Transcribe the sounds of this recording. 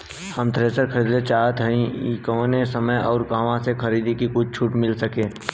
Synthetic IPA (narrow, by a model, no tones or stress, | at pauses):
həmt̪ɾeːsəɾkʰəɾiːd̪et͡ʃaːɦt̪ɦəĩkoːnesəməjɔːɾkaːʋãsekʰəɾiːd̪ikikʊt͡ʃʰt͡ʃʰuːʈmɪlsəkẽː